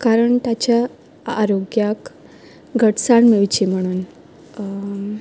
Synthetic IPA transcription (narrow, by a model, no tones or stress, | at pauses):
kaɾəɳt̪at͡ɕjaː | ɾoɡjak | ɡʱəʈsaɳmiʋt͡ɕim̤əɽ̃uːn